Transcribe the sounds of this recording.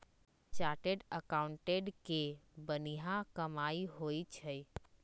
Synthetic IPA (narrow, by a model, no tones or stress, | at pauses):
t͡ʃaːɾʈeɖəkaːʊ̃ɳʈeɖkebəniɦãkɐmaːiɦoːit͡ʃʰɛj